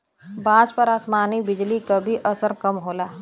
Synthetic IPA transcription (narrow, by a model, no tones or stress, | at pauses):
bãːd͡ʒpɐɾaːsmaːnibɪd͡ʒlikabʱiʔɐsəɾkɐmɦoːlaː